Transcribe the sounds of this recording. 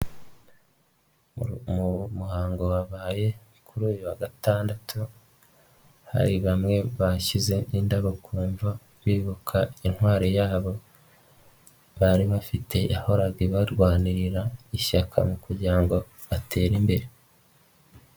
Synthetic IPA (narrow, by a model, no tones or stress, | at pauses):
mumuhaːŋɡo̞waβaːje̞ | kuɾuːjuwaɡataːndatʰu | ha̰ɾiβamŋe̞βaʃize̞indaβokʰuːɱva | βiːβukʰain̥hwaːɾojaːβo̞ | βaɾiβafitʰe̞ʔaho̞ɾaɡiβaɾɡwaːniɾiɾaiʃakʰa̰mukuɾɟiɾaŋɡo̞ | βate̞ːɾimbe̞ɾe̞